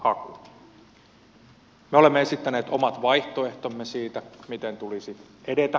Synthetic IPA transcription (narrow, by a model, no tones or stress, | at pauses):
hɑku | meo̞lemːeesit̪ːæne̞ːt̪omɑt̪ʋɑjht̪oe̞ht̪omːesiːt̪æmit̪ent̪ulisit̪ | ede̞t̪æ